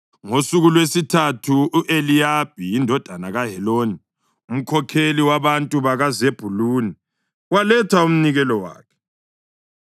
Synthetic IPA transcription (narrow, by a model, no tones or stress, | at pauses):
ŋosuɣulwesitʰatʰuʔelijab̥ʱijindʱɔd̥ʱanaɣaɦɛloːni | um̩kʰɔkʰeliwaβantʼuβaɣazeb̥ʱuluːni | walɛtʰwaum̩niɣɛlɔwa̰ːkʰɛ̥